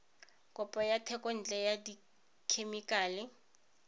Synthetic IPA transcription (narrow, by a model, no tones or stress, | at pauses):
kʼʊpʼɔjatʰɛkʼɔn̩t͡ɬʼɛjadi | kʰemikʼaːlɪ